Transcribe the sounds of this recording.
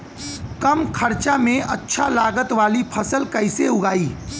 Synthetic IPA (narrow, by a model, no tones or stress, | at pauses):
kəmkʰəɾt͡ʃamẽɐtːʃʰalaːɡət̪ʋaːlipʰɐsəlkɐɪseʊɡaːiː